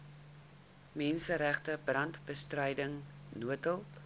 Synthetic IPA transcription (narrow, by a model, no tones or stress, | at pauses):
mɛnsəɾæχtəbrɐntbəstrəjdəŋnuətəlˠ